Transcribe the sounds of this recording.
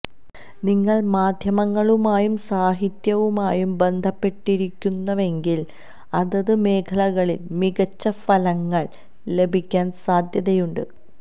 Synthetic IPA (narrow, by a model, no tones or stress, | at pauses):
niŋːɐɭmaːd̪ʱjɐmɐŋːɐɭumaːjumsaːɦit̪jɐʋumaːjumbe̞nd̪ʱɐpːe̞ʈːiɾikʲːunːɐʋe̞ŋɡil | ɐðɐðɨme̞ːkʰɐlɐɣɐɭilmiɣɐt͡ɕːɐfɐlɐŋːɐɭ | le̞bʱikʲːaːnsaːd̪ʱjɐðɐjuɳɖɨ